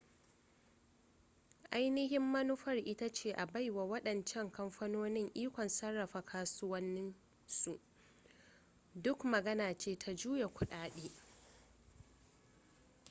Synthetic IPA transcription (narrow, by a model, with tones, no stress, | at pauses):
ʔa˦jnɪ˦ɦɪ˦mːɐ˦nu˦ɸɐ˦˨rʔɪ˦ta˦t͡ʃeː˦˨ʔa˨ba˦jwa˨wɐ˦ɗɐ˨nt͡ʃɛ˦˨ŋkɐ˦mɸɐ˦noː˦nɪ˦ŋʔiː˦kʷɔ˨nsɐ˦rːɐ˨ɸa˨kʰaː˦sʊ˦wɐ˦nːɪ˦n | su˨ʔ | dʊ˦kmɐ˨ɡɐ˦naː˨t͡ʃeː˦tʰa˦d͡ʒuː˦je˨kʷʊ˨ɗaː˦ɗeː˦